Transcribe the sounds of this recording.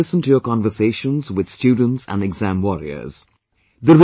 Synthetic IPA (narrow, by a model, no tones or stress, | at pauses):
ɪsə̃ntujəkɑ̃nvəseːʃə̃nzwɪd̪̥stjuːɖⁿə̃n̩ʈsæ̰̃nɖɛɡzæ̃mwɔɾiə̰z̥ | d̪əɾ